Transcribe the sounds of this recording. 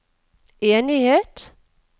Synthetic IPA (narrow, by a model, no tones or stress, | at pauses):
eːnɪheːt̪